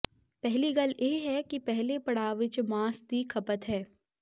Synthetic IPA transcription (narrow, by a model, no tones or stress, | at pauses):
pɛɦliɡɐljʔeːɦɛkipɛɦlepɐɽ̤aːʋɪt͡ʃmãːsd̪ikʰɐpət̪ɦɛː